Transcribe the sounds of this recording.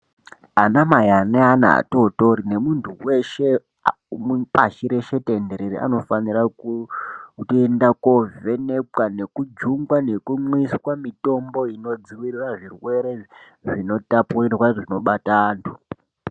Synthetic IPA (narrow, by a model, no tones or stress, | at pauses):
anamajaneana̰a̰totoɾine̞muntʰuwe̞ʃe̞ | mpaʃiɾeʃe̞tendeɾeɾia̰no̞faniraku | tendako̞ve̞ne̞kane̞kud͡ʒuŋɡwane̞kumwiswamito̞mbo̞ino̞d͡ziwiriraʐirwe̞ɾe̞ | ʐino̞tapurirwaʐino̞ɓataːntʰu̥